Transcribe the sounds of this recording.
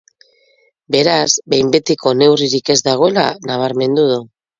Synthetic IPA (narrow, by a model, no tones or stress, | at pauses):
be̞ɾazbe̞jmbe̞t̪iko̞ne̞wriɾike̞zd̪aɣ̞o̞e̞la̰naβ̞aɾme̞nd̪uð̞u